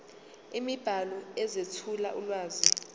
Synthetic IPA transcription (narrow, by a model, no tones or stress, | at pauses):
imib̥ʱalɔɛzetʰulaʔulwaːzi